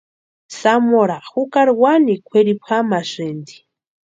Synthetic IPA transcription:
samoɾaxukaɾwanikʷʰweɾipʰamasind̪i̥

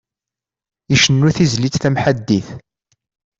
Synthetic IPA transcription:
iʃənːuθizlit͡sθæmħad̪ːiθ

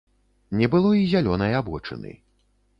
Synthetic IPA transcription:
nʲɛbɨlˠɔizʲalʲɔnɐjabɔt͡ʂɨ̰nɨ̰

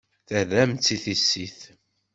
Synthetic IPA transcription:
θəðæmt͡sːiθisːiθ

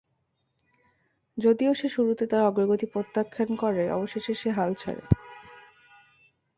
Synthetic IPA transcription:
d͡ʑod̪ioʃeʃuɾut̪et̪aɾɔɡɾoɡot̪ipɾot̪ːakʰːankɔɾeʔɔ̰boʃeʃeʃeɦalt͡ɕʰa̰ɾḛ

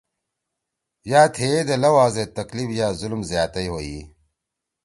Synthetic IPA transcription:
jaːt̪ʰeːd̪elɐwaːzet̪ɐklifjaːzulmzjaːt̪ɐjɦoːi

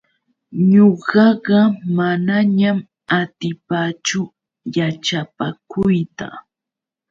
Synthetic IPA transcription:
ɲoɢɑɢɑmanaɲam | at̪ɪpat͡ʃʊ | jat͡ʃapakʊjt̪a̰

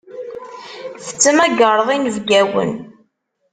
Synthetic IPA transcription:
fə̥t͡sːəmæɡəɾˤəðˤinəvɡæwə̰n

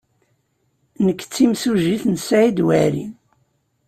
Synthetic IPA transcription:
nəkːt͡sːimsuʒiθnsʕid̪wæɾḭn

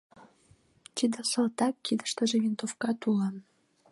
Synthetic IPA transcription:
t̪id̪ə̆sɤ̆lt̪ɑkːid̪ə̥ʃt̪ə̆ʒevint̪ofkɑt̪ulɑ

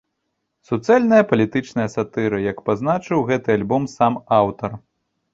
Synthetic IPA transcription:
sut̪sɛlʲnɐjɐpɐlʲit̪ɨt͡ʂnɐjɐsat̪ɨɾɨjɐkpaznat͡ʂɨwɣɛt̪ɨalʲbɔmsamawt̪ɐr

